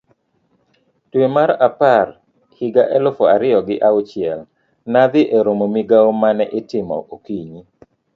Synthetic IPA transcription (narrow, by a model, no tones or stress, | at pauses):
twemaɾapar | hɪɡaʔɛlofoaɾɪjɔɡɪʔaʊt͡ʃɪɛl | nad̪ɪʔeɾomomiɡaomanɛʔɪtɪmɔ̰ʔokiɲi